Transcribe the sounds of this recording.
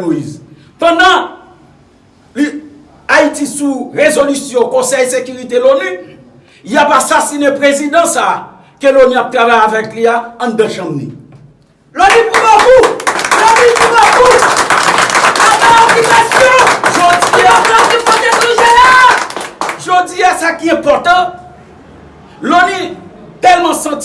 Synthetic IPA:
loḭz | pɑ̃d̪ã | li | aitisuʁezolysjɔ̃kɔ̃sɛjsekyʁit̪eloni | japasasinepʁezid̪ãsaː | keloniap̚t̪ʁavajavɛkliaãd̪ãʃʌ̃mnḭ̃ | lonipubokulonipubɔkus | abaɔkipɛsɔ̃ʒod͡zialakimɔ̃detĩʒela | ʒod͡ziasakiɛ̃pɔʁt̪ʌ̃ | loni | t̪ɛlmʌ̃sãt͡s

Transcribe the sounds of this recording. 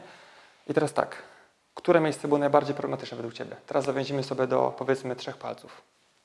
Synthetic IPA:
it̪ɛɾast̪a̰k | kt̪uɾɛmʲjejst̪sɛbɘwɔnajbaɾd͡ʑejpɾɔblɛmat̪ɘt͡ʂnɛvɛd̪wukt͡ɕɛbʲjɛ̰t̪ɛɾasːavjɔ̃ʑimɘsɔbʲjɛd̪ɔ̰pɔvʲjɛt̪smɘtʂɛxpa̰lt̪suf

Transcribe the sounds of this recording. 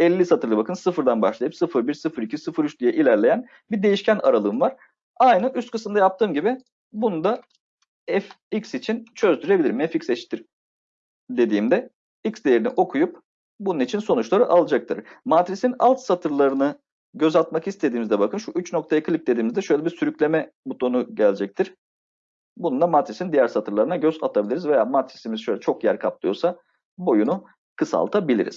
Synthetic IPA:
ɛlʲːisat̪ʰɯɾlˠɯbakʰɯnsɯfɯɾd̪anbaʃlˠajɯpsɯfɯɾbiɾsɯfɯɾicʰisɯfɯɾyt͡ʃd̪ʲijɛʔilʲæɾlʲe̞jæn | biɾd̪e̞jiʃcʰæna̰ɾalˠɯːmvaɾ̥ | ajnɯʔyst̪kʰɯ̥sɯmnd̪ajap̚t̪ʰɯːmɟibi | bunud̪a | ɛf | icsit͡ʃʰint͡ʃʰø̞zd̪yɾe̞bilʲiɾmɛficsɛt͡ʃt̪ʰiɾ̥ | d̪e̞d̪iːmd̪ɛ | icsd̪ejeɾiniʔo̞kʰujup̚ | bununit͡ʃʰinso̞nut͡ʃlˠaɾɯʔalˠad͡ʒak̚t̪ʰɯɾ̥mat̪ɾisina̰lˠt̪sat̪ʰɯɾlˠaɾɯnɯ | ɟø̞zalt̪makist̪ʰe̞d̪iːmizd̪ɛbakʰɯnʃuʔyt͡ʃno̞kt̪ʰajakʰlʲip̚d̪e̞d̪iːmizd̪ɛʃøjlʲebiɾsyɾyclʲe̞mɛbut̪ʰo̞nuɟælʲd͡ʒɛc̚t̪ʰiɾ̥ | bunund̪amat̪ɾisind̪ijæɾsat̪ʰɯɾlˠaɾɯnaɟøzat̪ʰabilʲiɾizvejaːmat̪ɾisimiz̥ʃø̞jlʲɛt͡ʃʰo̞kjæɾkʰap̚lˠɯjo̞sa | bo̞junu | kʰɯsa̰lˠt̪ʰabilʲḭɾḭz̥

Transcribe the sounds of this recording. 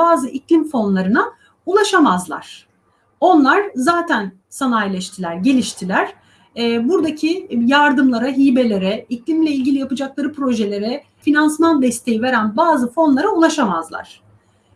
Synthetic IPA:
aːzɯʔiclʲimfo̞nlˠaɾɯna | ulˠaʃamazlˠa̰ɾ̥ | o̞nlˠaɾzaːt̪ʰæn | sanajlʲɛʃt̪ʰilʲæɾɟe̞lʲiʃt̪ʰilʲæɾ̥ | ɛːbuɾd̪acʰijaɾd̪ɯmlˠaɾaɦiːbe̞lʲe̞ɾɛiclʲimlʲeilʲɟilʲijapɯd͡ʒaklˠaɾɯpɾo̞ʒe̞lʲe̞ɾɛ | finansmand̪ɛst̪ʰe̞jive̞ɾænbaːzɯfo̞nlˠaɾaulˠaʃamazlˠa̰ɾ̥

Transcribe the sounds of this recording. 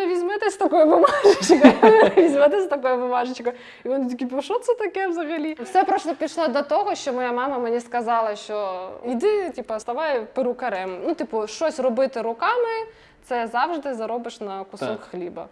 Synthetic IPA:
ɐʋʲizʲmɛt̪ɛsʲt̪ɐkɔjʊʋʊmɑʒɪt͡ʃkɔʋʲizʲmɛt̪ɛsʲt̪ɐkɔjʊʋʊmɑʒɪt͡ʃkɐ | iʋɔnɪt̪ʲikʲipɔʃɔt̪sɐt̪ɐkɛʋzɐɣɐlʲifsɛpɾɔst̪ɔpʲiʃlˠɔd̪ɐt̪ɔɦɔʃt͡ʃɔmɔjamɑmɐmenʲiskɐzɑlˠɐʃt͡ʃɔid̪ɪtʲipɐst̪ɐʋajpɪɾʊkɐɾɛmnut̪ipʊʃt͡ʃɔsʲrɔbɪt̪ɪɾʊkɑmɪ | t̪sɛzɑwʒd̪ɪzɐɾɔbɪʂnɐkʊsɔkxlʲibɐ̰

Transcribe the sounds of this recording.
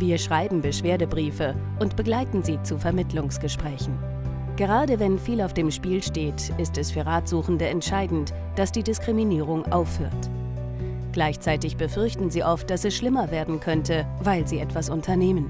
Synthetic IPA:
viːɐʃʁ̥aɪbm̩bəʃv̥eːɐdəbʁiːfəʔʊntb̥əɡlaɪtn̩ziːt͡sufɛɐmɪtʰlʊŋsɡ̥əʃpʁ̥ɛːçn̩ | ɡ̥əʁ̞aːdəvɛnfiːlaʊfd̥eːmʃpiːlʃteːt | ʔɪstɛsfyːɐʁaːtz̥uːxn̩dəɛntʃaɪdn̩t | d̥asd̥iːdɪskʁ̥iminiːʁ̞ʊŋʔaʊfhøːɐt | ɡ̥laɪçt͡saɪtɪçb̥əfʏɐçtn̩ziːʔɔft̚d̥asɛsʃlɪmɐveːɐdn̩kʰœntʰə | vaɪlziːʔɛtv̥asʊntʰɐneːmən

